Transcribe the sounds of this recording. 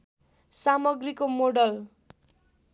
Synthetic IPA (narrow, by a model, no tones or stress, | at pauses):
samʌɡrikomoɖʌl